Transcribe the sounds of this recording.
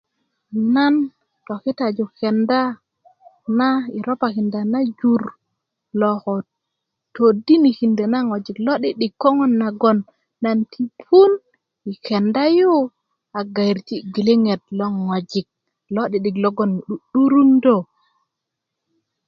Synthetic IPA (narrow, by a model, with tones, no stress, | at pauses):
na˦n | to˨ki˦ta˨d͡ʒu˨ke˨nda˦ | na˦i˨ɾo˦pa˨ki˨nda˨na˦d͡ʒu˨ɾ | lɔ˨kɔ˨ | to˨di˦ni˨ki˨nde˨na˦ŋo˨d͡ʒi˨klɔ˦ɗi˦ɗi˨kːo˦ŋɔ˦nːa˨ɡɔ˦˨nː | a˨ntʰi˦pʰu˦n | i˨ke˨nda˦ju˦ | a˨ɡa˨i˨ɾti˦˨ɡi˨le˦ŋe˨t̚lo˦ŋo˨d͡ʒi˨k̚ | lo˦ɗi˨ɗi˨klo˦ɡɔ˦˨n˨˦ɗu˦ɾu˦ndo˦˨